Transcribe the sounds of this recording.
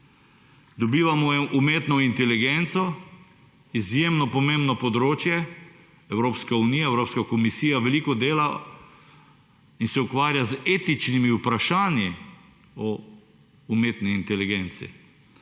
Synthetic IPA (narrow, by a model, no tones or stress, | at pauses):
d̪ɔbiːʋamɔjɛmʔumeːt̪nɔint̪ɛliɡent̪sɔ | izjemnɔpɔmẽmbnɔpɔd̪ɾoːt͡ʃjɛ | ɛwɾoːpskauniːjaɛwɾoːpskakɔmisiːjaʋɛliːkɔd̪eːla | insɛukʋaːɾjazeːt̪it͡ʃnimiupɾaʃaːnji | ɔ | umeːt̪niːnt̪ɛliɡent̪sḭ